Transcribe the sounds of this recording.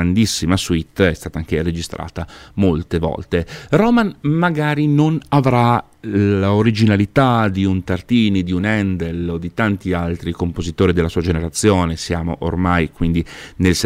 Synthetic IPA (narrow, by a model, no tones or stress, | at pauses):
and̪isːimaswit̪ːɛst̪aːt̪aaŋkered͡ʒist̪ɾʔa̰ːt̪amolt̪evɔ̰lt̪eɾɔmanmaɡaːɾinonavɾa | laoɾid͡ʒinalit̪ad̪iunt̪art̪iːnid̪iunɛnd̪elod̪it̪ant̪ialt̪ɾikompozit̪oːɾid̪elːasuːad͡ʒeneɾat̪sːjoːnesjaːmo̰ʔo̰rmajkwind̪inels